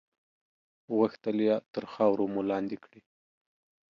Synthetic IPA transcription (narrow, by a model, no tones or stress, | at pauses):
ɣaxt̪əljat̪əɾxɑwɾomulɑnd̪ikɽi